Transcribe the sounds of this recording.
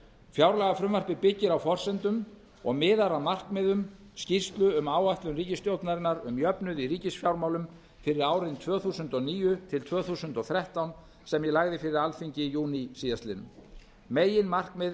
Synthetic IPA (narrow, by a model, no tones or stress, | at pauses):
fjawɾlɛɣafɾʏmvar̥pɪpɪcːɪɾawfɔr̥sɛnt̪ʏm | ɔ̰ɣmɪːðaɾamar̥kmɪðʏm | scirst̪lʏʏmaːwaht̪lʏnriːcɪst̪jowt̪naɾɪnːaɾʏmjœpnʏðiɾiːcɪsfjawɾmawlʏm | fɪɾɪɾaːwɾɪnt̪ʰvœːθuːsʏnt̪ɔniːjʏt̪ʰɪlt̪ʰvœːθuːsʏnt̪ɔɣθɾɛht̪awn | sɛmjɛlaɣðɪfɪɾɪɾalfiɲcɪjuːnisiːðast̪lɪnʏ̰m | meːjɪnmar̥kmɪð